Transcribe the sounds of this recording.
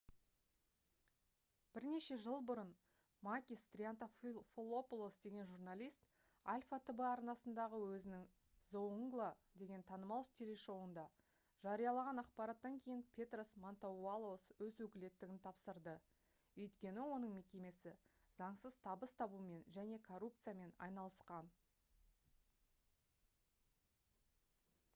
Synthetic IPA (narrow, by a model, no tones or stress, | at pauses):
b̥ɪɾne̞ʃe̞ʒəlˠbʊɾən | makʲist̪rʲiant̪affolˠopulˠosd̪e̞ɡʲe̞nʒurnalʲijst̪ | alʲfat̪ʰəbəɑɾnɑsənd̪ɑʁəwɵzɪnɪŋ | zouŋɡlˠad̪e̞ɡʲe̞nt̪ʰɑnəmɑlˠʃt̪ʰʲeɾeʃo̞wənd̪ɑ | ʒ̥ɑɾijɑlˠɑʁɑnɑqpɑɾɑt̪ːɑŋkʲʰe̞jɪnpʲʰe̞t̪rosmont̪oalˠoswɵzwɵkʲɪle̞t̪ːɪɡʲɪnt̪ʰɑpsəɾd̪ə | ɵjt̪kʲe̞nɪwo̞nəɴme̞kʲe̞me̞sɪ | zɑɴsəzt̪ʰɑbəst̪ʰɑbume̞nʒæne̞kʰo̞rːup̚t̪sɨjame̞nɑ̰jnɑlˠəsqɑn